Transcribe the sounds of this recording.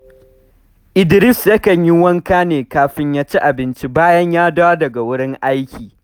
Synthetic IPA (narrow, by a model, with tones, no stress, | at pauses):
ʔɪ˨dɪ˨ɾɪ˦sjɐ˦kɐ˨ɲji˦wɐ˦ŋkaː˦neː˨kaː˨ɸɪ˦ɲjaː˦t͡ʃi˦ʔa˨bɪ˦nt͡ʃi˦baː˦jɐ˦ɲjaː˦daː˦dɐ˨ɡa˨wʊ˦ɽɪ˦ŋʔa˦jkʲiː˨